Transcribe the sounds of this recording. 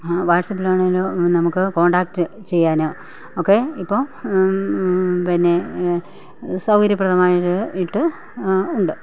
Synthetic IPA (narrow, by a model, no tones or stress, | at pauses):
ʋaːʈsɐpːilaːɳelonɐmukːɨko̞ːɳɖaːk̚ʈɨ | t͡ɕe̞jːaːno̞ː | okːe̞ipːoː | pinːe̞ | sɐwkɐɾjɐpːrɐðɐmaːjiʈːɨiʈːɨ | uɳɖɨ